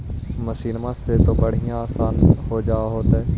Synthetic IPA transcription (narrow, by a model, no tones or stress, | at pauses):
məʃiːnmãset̪obəɽ̤ijãaːsaːnɦod͡ʒaːaɦoːt̪aɦɛː